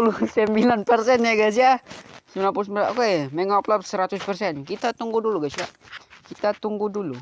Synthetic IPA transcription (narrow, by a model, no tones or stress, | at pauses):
ulusəmbilanpərsɛnjaɡas̬iasumnapʊsməlakemɛŋaplapsəɾat̪ʊspərsɛnkit̪at̪uŋɡuduluɡasiakit̪at̪uŋɡudulu